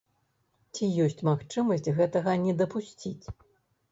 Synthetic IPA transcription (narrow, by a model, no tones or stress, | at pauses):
t͡sʲijɔsʲt͡sʲmaxt͡ʂɨmɐsʲt͡sʲɣɛt̪ɐɣɐnʲɛd̪ɐpusʲt͡sʲit͡sʲ